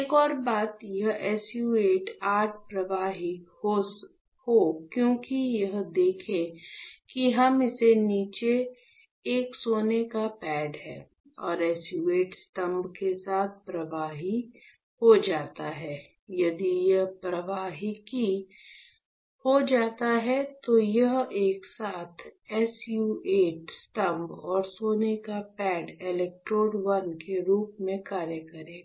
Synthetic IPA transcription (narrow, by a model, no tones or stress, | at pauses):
ekɔːɾbaːt̪jɐɦɛːsjueːʈaːʈʰpɾɐʋaːɦihos | hokjõːkijɐɦd̪eːkʰẽkiɦɐmɪseniːt͡ʃeː | ksoːnekapɛːɖɦɛ̰ː | ɔ̰ːɾɛːsjueːʈst̪ɐ̃mbkesaːt̪̚ʰpɾɐʋaːɦi | hod͡ʒaːt̪aɦɛː | jɐd̪ijɐɦpɾɐʋaːɦiki | hod͡ʒaːt̪aɦɛt̪ojɐɦeːksaːt̪ʰɛːsjuːeːʈsʈɐ̃mbɔːɾsoːnekapɛːɖɪlɛk̚ʈɾoːɖʋɐnkeɾuːpmẽkaːɾjəkɐɾẽː